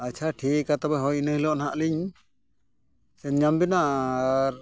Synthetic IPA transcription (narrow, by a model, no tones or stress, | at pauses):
at͡ʃʰaʈʰiat̪abɛɦɔjinəhlɔʔnɦaʔliɲ | sɛɲɲambinaʔɾ